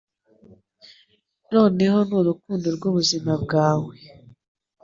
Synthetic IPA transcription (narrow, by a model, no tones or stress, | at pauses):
no̞ːne̞ɦo̞nuɾuk̚uːndoɾɡuβuzimab̚ɡaːwe